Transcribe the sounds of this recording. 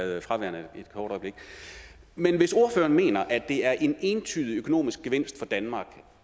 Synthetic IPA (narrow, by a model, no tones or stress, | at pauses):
ð̩ˠfʁɑ̈ʋæɐ̰n̩ed̥̚kʰɒːɾ̥ɒ̽ɪb̥le̝ɡ̥ | menʋe̝so̝ɐfø̰ːɐnme̝̰ːnɐʔæd̥e̝æɐʔe̝ne̝ːnt͡sʰyːðˠiøkʰo̝no̝̰ːmisɡ̥̚ɡ̥eʋe̝n̰sd̥fɒ̽d̥ænmɑ̈ːɡ̥